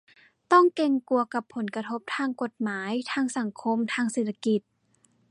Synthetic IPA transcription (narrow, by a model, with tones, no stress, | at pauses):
t̪ɔ˥˩ŋke˧ŋku˧ɐka˨˩pʰːo˩˦nka˧t̪ʰo˦˥p̚t̪ʰaː˧ŋko˨˩t̪̚maː˩˦jt̪ʰaː˧ŋsa˨˩˦ŋkʰo˧mt̪ʰaː˧ŋseː˨˩t̪ʰːa˧ki˨˩t̪̚